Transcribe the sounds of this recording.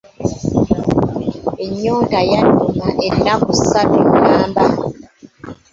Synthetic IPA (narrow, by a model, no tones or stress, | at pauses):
eɲɔŋɡajanumaʔɛnakusabiŋaːmba